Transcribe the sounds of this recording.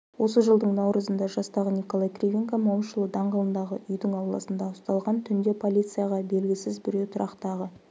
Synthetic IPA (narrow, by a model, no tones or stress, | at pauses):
wo̞səʒəlˠd̪əɴnɑwɾəzənd̪ɑʒɑst̪ɑʁəniko̞lˠajkrʲivʲiŋkamɑwmʃəlˠəd̪ɑɴʁɑlˠənd̪ɑʁəʔʏjd̪ɪŋɑwlˠɑ̰sənd̪ɑʊst̪ɑlˠʁɑnt̪ʰʏnd̪e̞pʰo̞lʲit̪sɨjaʁɑbe̞lɡʲɪsɪzbʏɾet̪ʰʊɾʔɑqt̪ɑʁə